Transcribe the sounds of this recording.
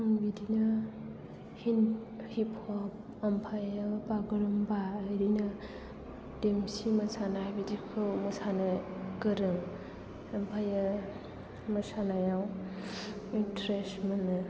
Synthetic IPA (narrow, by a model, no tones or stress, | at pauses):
aŋbidinɐ | hin | hipʰhɔp̚ | ɐmpʰajabaɡɯɾɯmbaːjɾinɐ | demsimɐsanajbidikʰɯwmɐsanakɯɾɯŋ | ɐmpʰaja | mɐsanajaw | intɾesmɯnɯ